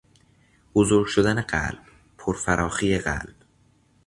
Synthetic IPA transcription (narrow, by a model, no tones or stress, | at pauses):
b̥ozoɾɡʃod̪æneɢæ̰lb̥̚ | pʰoɾfæɾʔɒːxiːje̞ɣæ̰lb̥